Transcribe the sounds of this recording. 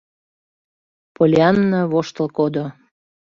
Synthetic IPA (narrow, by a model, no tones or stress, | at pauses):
polʲeɑnːəβoʃt̪əlkod̪o